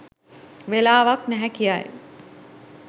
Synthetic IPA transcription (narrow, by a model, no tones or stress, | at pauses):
ʋelaːʋaknæɦɛkijaj